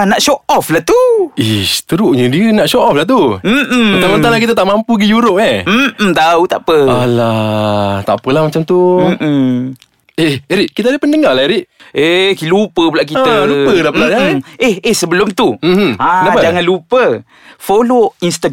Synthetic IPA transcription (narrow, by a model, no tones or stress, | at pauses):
naʔʃoʔɔflaht̪uesə̥t̪əɾuʔɲədiənaʔʃɔʔɔflaht̪u | mənt̪amənanlakit̪at̪aʔmampuɡijuɾʊp̚ɲet̪aut̪a̰ʔpəala | t̪a̰ʔpəlahmat͡ʃamt̪u | eheɾiʔkit̪adəpəndəŋalaɾiʔʔekilupəpəlaʔk̬it̪ːəlupəlapəlaʔɲaehehsəbəlʊmt̪uãnapəd͡ʒaŋanlupə | foloinst̪a